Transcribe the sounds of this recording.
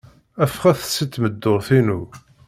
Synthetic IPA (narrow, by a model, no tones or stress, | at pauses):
æfχæθə̥sːit̪ːməd̪ːoɾθinu